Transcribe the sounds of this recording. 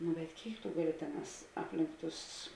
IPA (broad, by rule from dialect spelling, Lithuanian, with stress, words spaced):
nʊ bʲɛt ˈkʲeːɪk tʊ ˈɡɑːˌlʲɪ ˈtʲeːˌnɑːs ˈɑːpʲlʲɪŋk ˈtʊs